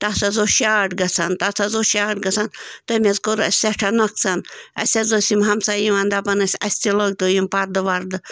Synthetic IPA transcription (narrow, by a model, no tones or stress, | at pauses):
t̪aːsɐzoʃaːʈɡɐsʰɐnt̪aːsɐzoʃaːʈɡɐsʰant̪ɐmʲezkoɾɐ̰sʲseʈʰɐnɐk̚t͡sɐnɐ̰sʲɐzosʲimɦɐmsajiʋand̪apɐnɐsʲɐ̰sʲt̪ʲiloɡ̚t̪ojimpaɾd̪ɨʋaɾd̪ɨ